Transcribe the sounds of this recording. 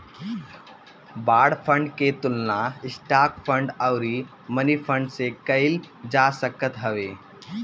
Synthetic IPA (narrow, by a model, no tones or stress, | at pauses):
baɽfʰəɳɖket̪ulnaisʈakfəɳɖəwɾi | mənifʰəɳɖsekəil | d͡ʒasəkət̪ɦəʋe